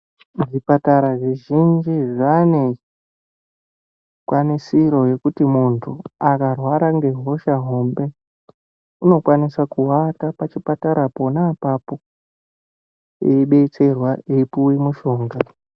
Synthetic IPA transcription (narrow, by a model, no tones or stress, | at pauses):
ʐipataɾaʐiʒind͡ʒiʐane̞ | kwanisiɾo̞je̞kutimuntʰuakarwaɾaŋɡe̞ɦo̞ʃaɦombe̞ | uno̞kwanisakuwatapat͡ʃipataɾapo̞naːpapo̞ | eiɓe̞t͡se̞rwaeipuwimuʃo̞ːŋɡa